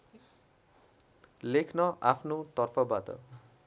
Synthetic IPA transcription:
lekʰnʌʔapʰnot̪ʌrpʰʌbat̪ʌ̰

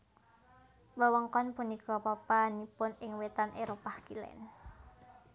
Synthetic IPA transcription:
wəwəŋkɔnpunikɔpapanipʊnɪŋwet̪anʔeɾopahkilɛ̰n

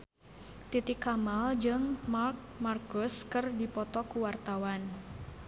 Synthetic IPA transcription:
t̪it̪ikːamald͡ʒɨŋmark̚markʊskɨrdipɔt̪ɔkuwart̪awan

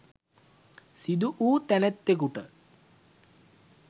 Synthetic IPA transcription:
sid̪uʔuːt̪ɛnɛt̪ːekuʈə

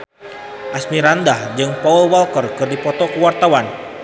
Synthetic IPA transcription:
ʔasmiɾandahd͡ʒɨŋpaulwalkərkɨrdipɔt̪ɔkuwart̪awan

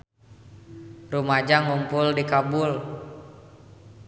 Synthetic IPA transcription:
rumad͡ʒaŋumpʊldikabul

